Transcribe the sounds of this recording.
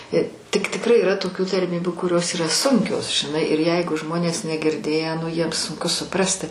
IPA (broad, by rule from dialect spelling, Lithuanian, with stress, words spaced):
ɪ tʲɪk tʲɪkˈrɐɪ iːˈrɐ toːˈkʲuː tɐrʲˈmʲiːbʲʊ kʊˈrʲoːs iːˈrɐ ˈsʊŋʲkʲoːs ʒʲɪˈnɐɪ ɪr ˈjɛɪɡʊ ˈʒmoːnʲeːs nʲɛɡʲɪrʲˈdʲeːjæː nʊ jiɛm sʊŋˈkʊ sʊˈprɑːsʲtʲɪ